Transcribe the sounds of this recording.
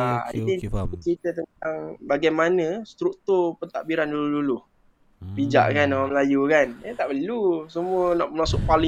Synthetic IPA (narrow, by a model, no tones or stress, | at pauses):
aḭt̪it͡ʃɾit̪ət̪ənt̪aŋbaɡajmanə̃st̪ɾuk̚t̪ʊrpənt̪aʔbiɾandulululu | bid͡ʒa̰ʔkanawaməlajukanət̪aʔpəlusəmuənaʔməmasʊʔ̚palɪ